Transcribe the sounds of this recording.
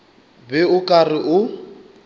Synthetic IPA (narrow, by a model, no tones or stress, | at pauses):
bɛʊkʼarɪʔʊ